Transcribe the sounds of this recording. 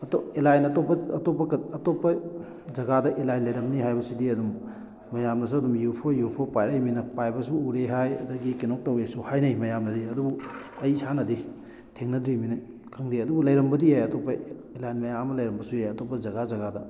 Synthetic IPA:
ɐtoelajnɐtopːɐɐtopːɐkɐɐtopːɐ | d͡ʒɐɡadɐʔelajnlɐjɾɐmniɦajbɐsidiɐdumː | ɐjamnɐs̬uɐdumjupʰɐjupʰɐpajɾajminɐpajbɐsuːɾeɦajɐ̰dɐɡikenok̚tɐwesuhajnɐjmɐjamnɐdiɐdubu | ɐjsanɐdi | tʰeŋnɐdɾiminaj | kʰɐŋdiɐdubulɐjɾɐmbɐdiajɐtopːɐelajnmɐjamɐlɐjɾɐmbɐsujajɐtopːɐzɐɡazɐɡadɐ

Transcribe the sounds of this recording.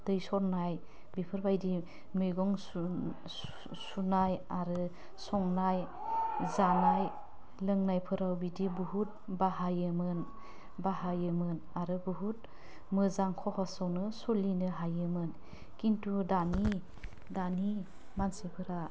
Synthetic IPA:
d̥ɯjsɔɾnaj | bipʰɯɾbajdi | mɯjɡɔŋ | u | sunajaɾɯ | sɔŋnaj | zanaj | lɯŋnajpʰɯɾawbidibuɦut̚baɦajɯmɯn | bahajɯmɯn | aɾɯbuɦut̚ | mɯzaŋkʰɔhɔsawnɯsɔlinɯɦajɯmɯn | kintudani | dani | mansipʰɯɾa

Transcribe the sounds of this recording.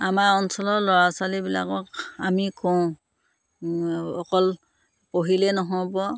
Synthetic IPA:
amaɹɔnsɔlɔlɔɹasalibila̰kɔkamikʰɔw̃ | ɔkɔl | poɦilɛnɔɦɔɹbɔ

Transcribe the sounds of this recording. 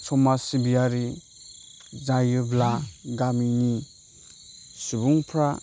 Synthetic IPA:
t͡ʃʰɔmasibijaɾi | zajɯblaɡamini | subuŋpʰɾa

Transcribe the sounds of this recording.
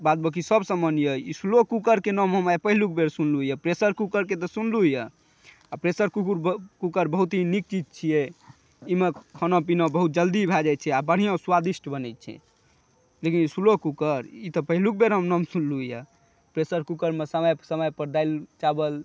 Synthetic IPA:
bat̪̚bəkisəbsə̃mənjəisulokukəɾkenɔmɦəmajpəɦiluk̚beɾsunluɦjɛpɾesəɾkukəɾket̪ɔsunluɦjə | apɾesəɾkukuɾkukəɾbəɦut̪ɦinik̚t͡ʃid͡ʒt͡ʃʰijɛ | imekʰənõp̬inõbəɦut̪̚d͡ʒəld̪ibʱad͡ʒat̪̚t͡ʃʰɛabəɽ̤ijõsuwad̪isʈʰbənɛt̪̚t͡ʃʰɛ̰ | lekinisulokukəɾit̪ɔpəɦiluk̚beɾɦəmnɔmsunlujə̰ | pɾesəɾkukəɾmesəməjsəməjpəɾd̪aɪlt͡ʃabəl

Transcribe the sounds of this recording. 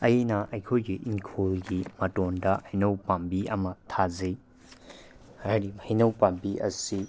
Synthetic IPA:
ɐjenɐʔɐjkʰojɡiʔiŋkʰolɡimɐtondɐɐjnɐwpambiɐmɐtʰazej | aɾimɐjnɐwpambiʔɐ̰si

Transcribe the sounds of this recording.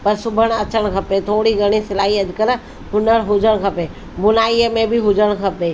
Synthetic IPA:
pɐɾsʊbʱəɽ̃ɐt͡ʃəɽ̃kʰɐpet̪ʰoːɽiɡʱɐɽ̃isɪlaːɦiɐd̪ɪkəɾ | ɦʊnəɽɦʊd͡ʒəɽ̃kʰɐpeː | bʊnaːiəmẽbʱɪɦʊd͡ʒʱəɽ̃kʰɐpeː

